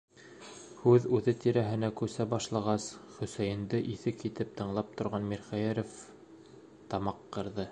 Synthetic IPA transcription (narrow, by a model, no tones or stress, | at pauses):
hʉðʉðɘt̪iɾæɦɘ̆nækʉsæbɑʃlˠɑʁɑsχɵ̆sæjɘ̆nd̪ɘʔiθɘkit̪ɘp̚t̪ɤ̆ɴlˠɑp̚t̪ŏɾʁɑnmiɾχæjæɾof | t̪ɑmɑqːɤ̆ɾðɤ